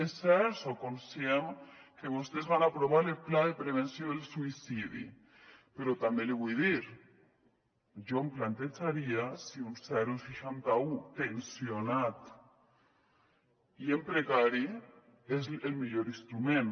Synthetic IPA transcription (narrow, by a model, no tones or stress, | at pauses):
esɛɾsokonsjamkeβost̪ezβanapɾoβaɾelplaðepɾeβ̞ensjond̪elsuisiðḭ | peɾot̪ambjenleɣwiðiɾ | d͡ʒomplant̪et͡saɾiasiunsɛɾusfiʃant̪aut̪ensjonat̪ | iempɾekaɾi | ezelmiʎoɾinst̪ɾumẽn